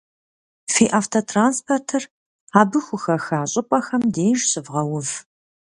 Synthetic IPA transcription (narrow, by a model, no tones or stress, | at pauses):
fiːʔaftʰotʰraːnspʰortʰɨr | aːbɨxʷʊxɐxaːɕʼɪpʷʼɐxɐmdeːʒɕɨvʁɐwʊv